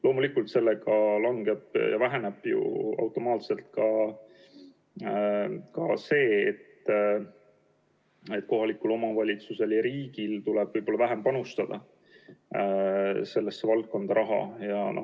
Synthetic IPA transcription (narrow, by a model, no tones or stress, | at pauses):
lo̞ːmulikːˑult̪se̞lːeɡɑlɑŋɡ̥e̞b̥jɑ̰væɦe̞neb̥jṵɑ̰wt̪ːˑo̞mɑːt̪se̞lt̪̚kɑ | kɑse̞ːt̪ː | e̞t̪ːˑko̞ɦɑlikːulo̞mɑvɑlʲit̪suse̞ljɑɾiːɡ̥ilt̪uleb̥ɯjb̥o̞lːɑvæɦempɑnust̪ɑd̪̥ɑ | se̞lːesːevɑlt̪̚ko̞nd̪̥ɑɾʔɑɦɑ̰jɑno